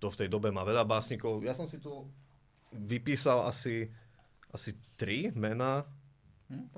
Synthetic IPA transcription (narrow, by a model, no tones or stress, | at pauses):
t̪ɔft̪ɛjd̪ɔbɛmaːʋɛʎabaːsɲikɔʊjasɔmsit̪ɔ | ʋipiːsala̰si | ʔasit̪ɾimɛnaː